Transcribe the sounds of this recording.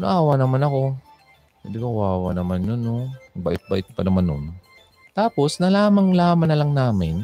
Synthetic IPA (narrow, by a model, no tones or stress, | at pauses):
no̰ʔaːwanɐmanɐko̞ | hɪnd̪ɪkɐkʊaːwa̰nɐmanjonːobaʔɪt̪̚bɐ̰ʔɪt̪̚pɐnɐmɐno̰n | t̪aːpo̞snɐlaːmɐŋlaːmɐnɐlɐŋnaːmɪn